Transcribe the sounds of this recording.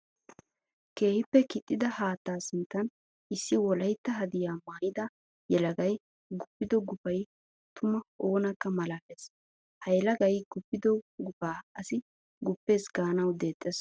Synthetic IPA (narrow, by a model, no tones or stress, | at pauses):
ke̞ːhɪpːɛkɪt̪ʼːɪd̪ɐhaːt̪ːaːsɪnt̪ːɐn | ʔɪsːɪwɔlɐjt̪ːɐɦɐd̪ɪjaːmaːjɪd̪ɐ | jɛlɐɡɐj | ɡʊpːɪd̪ɔɡʊpɐj | t̪ʰʊmɐoːnɐkːɐmɐlaːpes | hɐjlɐɡɐjɡ̥ʊpːɪd̪ɔɡʊpaːɐsɪ | ɡʊpːe̞ːsɡaːnɐwd̪e̞ːt̪ʼːɛs